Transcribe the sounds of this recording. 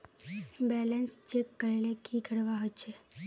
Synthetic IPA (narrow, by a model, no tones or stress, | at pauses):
bɛlənst͡ʃekːəɾelekʰikəɾʋaɦojt͡ʃʰe